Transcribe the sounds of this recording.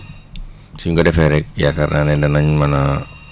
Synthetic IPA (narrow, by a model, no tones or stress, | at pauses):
siuŋɡadɛfɛɾɛk̚ja̰kaɾnanɛdanaɲmana